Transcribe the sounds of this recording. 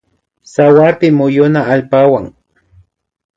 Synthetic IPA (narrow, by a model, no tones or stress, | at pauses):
sawaɾpɪmʊjʊnaːʎpawaŋ